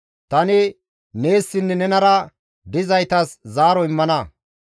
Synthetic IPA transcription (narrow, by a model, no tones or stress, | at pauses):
t̪ɐnɪ | ne̞ːsːɪnːɛnɛnɐɾɐ | d̪ɪzɐjt̪ɐszaːɾɔɪmːɐnɐ